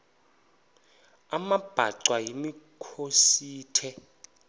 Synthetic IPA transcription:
amab̥ʱa̰ǀwajimikʰosiːtʰɛ

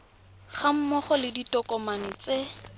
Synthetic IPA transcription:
χam̩mɔχɔlɪditɔkʼɔmanɪt͡se

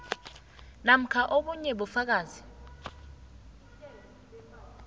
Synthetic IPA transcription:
nam̩kʰaʔoɓuɲɛɓufak̬aːzi

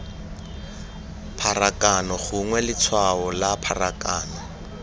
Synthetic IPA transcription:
pʰarakʼanɔχʊŋwɛlɪt͡sʰwaɔlapʰarakʼaːnɔ

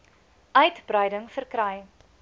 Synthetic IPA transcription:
ʔœɥtbrəjdəŋfərkɾɛj

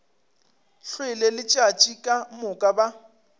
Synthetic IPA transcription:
ɬwɪlelɪt͡ʃʼat͡ʃʼikʼamʊkʼaba

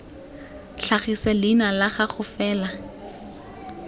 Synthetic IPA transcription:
ɬaχisalinalaχaχʊfɛːla

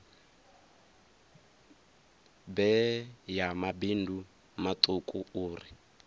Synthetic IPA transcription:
bɛjamabindʱu | matʼukʼuuːri

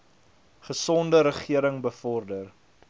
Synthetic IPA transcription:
χəsɔndəɾəχiəɾəŋbəfɔrdər

